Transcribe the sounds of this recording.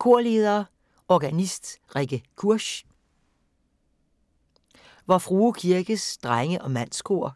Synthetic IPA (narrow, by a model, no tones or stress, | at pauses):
kʰo̝ɐ̰le̝ːð̞ˠɐː | ɒɡ̥ænisd̥ʁɛɡ̥əkʰuɐ̰ɕ | ʋɑfʁuːkʰiɐɡ̥əsd̥ʁaŋəʔɒ̽mæn̰skʰo̝̰ɐ̰